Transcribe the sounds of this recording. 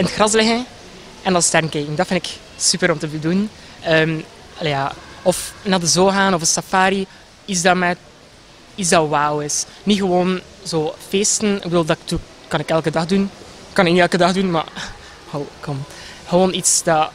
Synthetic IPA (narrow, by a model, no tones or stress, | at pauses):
ɪnətxrɑs̬lɪɣən | ɛnɑnstɛrnkekɪŋdɑtfɪnɪk | sypəɾɔmtəbədulənn | əːm | ljaːɔfnaːdəzoːɣaːnɔvəsafaːɾi | ɪzdamɛt | izdɑwawɪsniɣəwoːn | zoːfeːstənɪkwɪlˠdɑk̚tu | kɑnɪkɛlˠkədɑxdun | kɑnɪkniɛlˠkədɑxdunma̰ | howkʰɔm | xəwoːnitsd̥ɑ